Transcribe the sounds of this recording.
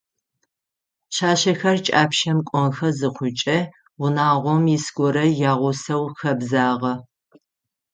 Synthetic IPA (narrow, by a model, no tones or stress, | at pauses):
ɕaːɕɐxɐrt͡ʃʼaːpʰʃɐmkʷʼɔŋxɐzɨqʷʰʊt͡ʃʼɐ | wʊnaːʁʷɔmjisɡʷɔɾɐjaːʁʷʊsɐwxɐbzaːʁɐ